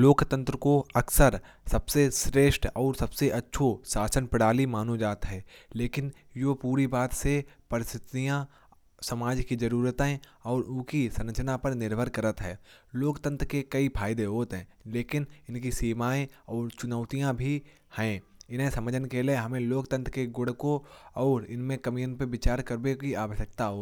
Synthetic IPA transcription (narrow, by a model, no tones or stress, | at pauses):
loːkt̪ə̃nt̪ɾəkoɐksəɾ | sɐbsesɾeːʃʈɔːɾsɐbseʔɐtːʃʰosaːsənpɪɽaːlimaːnod͡ʒaːt̪ɦɛːleːkɪn | joːpuːɾibaːt̪sepɐɾɪst̪ɪt̪ijã | sɐmaːd͡ʒkizɐɾuːɾət̪ɦɛ̃ | ɔːɾʊ̃kisɐ̃nət͡ʃnapɐɾnɪɾbʱəɾkɐɾət̪ɦɛːloːkt̪ə̃nt̪ɾkekɐipʰaːɪd̪eɦoːt̪ɦɛ̃ːleːkɪnɪnkisiːmaːẽɔːɾt͡ʃʊnəːʊt̪ijãbʱi | hɛ̃ːɪnɦẽsɐ̃məd͡ʒʱənkeːleɦɐmẽloːkt̪ə̃nt̪ɾəkeɡʊɽkoɔːɾɪnmẽkɐmijənpeʋɪt͡ʃaːɾkəɾbekiaːʋəʃək̚t̪aɦoː